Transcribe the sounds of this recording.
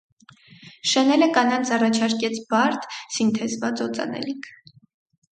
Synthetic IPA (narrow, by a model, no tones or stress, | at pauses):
ʃɛnɛləkɑnɑnt͡sʰɑrɑt͡ʃʰɑɾkɛt͡sʰbɑɾt̪ʰsint̪ʰɛzvɑt͡sɔt͡sʼɑ̰nɛ̰likʰ